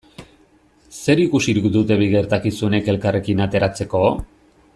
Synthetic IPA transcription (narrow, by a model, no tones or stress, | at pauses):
se̞ɾikusiɾukd̪ut̪e̞βiɣe̞ɾt̪akisuene̞ke̞lkare̞kinat̪e̞ɾat͡se̞ko̞